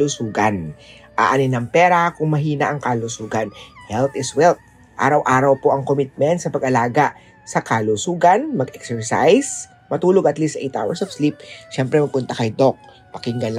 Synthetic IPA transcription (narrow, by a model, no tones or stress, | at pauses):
lusuːɡan | ʔaʔɐnɪnɐŋpɛːɾakʊŋmɐɦiːnɐʔɐŋkalʊsuːɡɐnhɛlt̪ɪswɛlt̪̚ | ʔa̰ːɾɐwʔaːɾɐwpoʔɐŋkomɪt̪̚mɛnt̪̚sɐpɐɡʔɐlaːɡa | sɐkalusuːɡɐnmɐɡɛksɛɹsa̰js | mɐt̪uːloɡɐt̪list̪ʔɛjt̪ʔa̰wɐɹsɐfslip̚ʃɛmpɾɛmɐɡ̚pʊnt̪ɐkɐjd̪ok̚ | pɐkɪŋɡɐnl